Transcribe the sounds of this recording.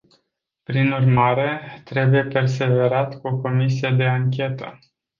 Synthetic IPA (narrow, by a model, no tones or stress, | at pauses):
pɾinurmaɾe̞t̪ɾe̞buje̞pe̞rs̬e̞ve̞ɾat̪kuo̞ko̞misije̞d̪e̞aŋkʲe̞t̪ə̰